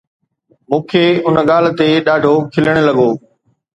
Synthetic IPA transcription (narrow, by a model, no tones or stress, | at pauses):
mũːkʰeːʊnəɠaːl̤t̪eɗaːɖʱokʰɪləɽ̃lɐɠoː